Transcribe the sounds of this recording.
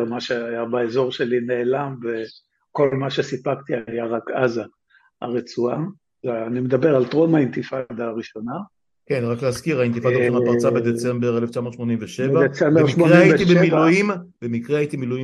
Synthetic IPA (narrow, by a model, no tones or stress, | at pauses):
maʃeajabaezo̞ʁʃelineːlamve | ko̞lmaʃe̞sipak̚t̪iajaʁakaza | a̰ʁet͡sua | zeanimed̪abeʁalt̪ʁomaint̪ifad̪aːʁiʃo̞na | ke̞nʁakleazkiʁaint̪ifad̪aʃonapaʁt͡sabed̪et͡sembeʁeleft͡ʃamo̞tʃmo̞nimveʃevadet͡sembeemʃoʁeajit̪ibemilujim | bemikʁeait̪imiluji